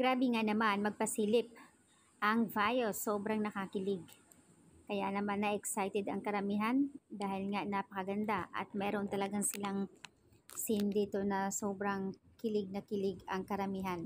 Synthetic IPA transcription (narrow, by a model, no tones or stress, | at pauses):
ɡ̥ɾaːbɪŋanɐmanmɐɡ̚pɐsiːlɪp̚ | ʔɐŋvajosoːbɾɐŋnɐkakɪlɪɡ̚ | kɐja̰ʔnɐmanːɐʔɛksajt̪ɛd̪ɐŋkɐɾɐmiɦand̪aːhɪlŋaʔnapɐkɐɡɐnd̪aʔɐ̰t̪̚mɛːɾo̞nt̪ɐlɐɡaŋsɪlaŋ | sɪnd̪it̪onɐso̞ːbɾɐŋkɪlɪɡ̚nɐkɪlɪɡɐŋkɐɾɐmiɦan